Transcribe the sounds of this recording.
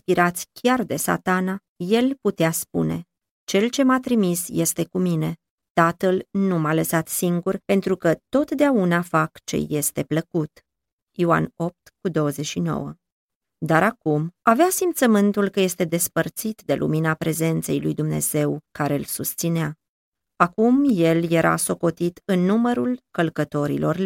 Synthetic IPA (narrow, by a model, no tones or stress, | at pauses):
spiɾat̪sʲkʲard̪e̞sa̰t̪ana | je̞lput̪easpṵne̞̰ | t͡ʃe̞lt͡ʃe̞mat̪ɾimisje̞st̪e̞kumine̞ | t̪at̪əlnumaləsat̪siŋɡurpe̞nt̪ɾukət̪o̞t̪d̪eaunafakt͡ʃe̞̰je̞st̪e̞pləkut̪ | joa̰no̞p̚t̪kud̪o̞wəze̞t͡ʃʃino̞̰wə̰ | d̪aɾakumaveasimpt̪səmɨnt̪ulkəje̞st̪e̞d̪e̞spərt̪sit̪d̪e̞lʔṵminapɾe̞ze̞nt̪se̞̰jlujd̪umne̞̰z̥e̞wkaɾe̞ɨlsust̪sinea | akumje̞lje̞ɾʔa̰so̞ko̞t̪it̪ɨnːuməɾulkəlkət̪o̞ɾḭlʔo̞̰rl